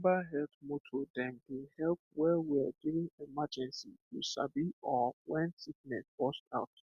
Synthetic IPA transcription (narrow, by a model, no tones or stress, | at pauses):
baɦɛltmotʰodɛ̃mdehɛlp̚wɛwiaduɹĩŋɛmad͡ʒɛ̃nsitusa̰biɔwɛ̃nsiɡ̚nɛsbɔstaʊt